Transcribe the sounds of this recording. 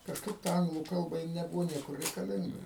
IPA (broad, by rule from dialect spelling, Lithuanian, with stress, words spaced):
kɐʃˈkɐɪp tɐ ˈɐŋɡlˠuː ˈkɐlˠbɐ jɪ nʲɛˈbʊʋoː ˈnʲiɛkʊr rʲɛɪkɐˈlʲɪŋɡɐ